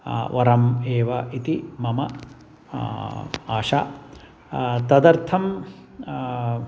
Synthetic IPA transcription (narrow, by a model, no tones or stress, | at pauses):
ʋɐɾɐmeːʋɐʔit̪imɐmɐ | aːʂa | t̪ɐd̪ɐɾt̪ʰɐm